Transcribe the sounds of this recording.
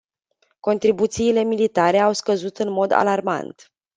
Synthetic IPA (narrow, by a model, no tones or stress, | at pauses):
ko̞nt̪ɾibut̪siːle̞milit̪aɾe̞awskəzut̪ɨnmo̞d̪a̰larma̰nt̪